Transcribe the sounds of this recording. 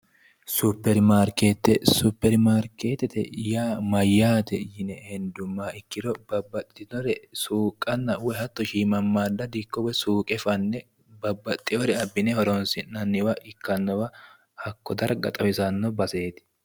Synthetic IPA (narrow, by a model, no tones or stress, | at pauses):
supːɛɾmaːɾkeːt̪ːɛsʊpːɛɾmaːɾkeːt̪ːɛt̪ɛ̰jaːmɐjːaːt̪ɛjɪnɛhɛnd̪ʊmːaːɪkːɪd̪ɔbɐbːɐt̪ʼːɪd̪ɔɾɛsuːkʼːɐnːɐwɔhɐt̪ːɔʃiːmɐmːaːd̪ːɐd̪ɪkːɔwɔsuːkʼɛfɐnːɛ | bɐbːɐt̪ʼːɪɔɾɛɐbːɪnɛhɔɾɔnsɪnɐnːɪwɐʔɪkːɐnːɔwɐ | hɐkːɔd̪ɐɾɐɡɐ̰t̪ʼɐwɪsɐnːɔbɐse̞ːt̪ɪ̥